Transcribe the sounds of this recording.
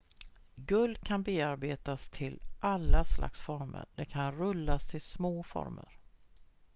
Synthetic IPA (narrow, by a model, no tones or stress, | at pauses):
ɡɵld̪̚kʰanbeːaɾbeːt̪ast̪ʰɪlʔalːaslʔa̰ksfɔɾmə̰ɖɛkʰanɾɵlːast̪ʰɪlsmoːfɔ̰ɾmə̰ɾ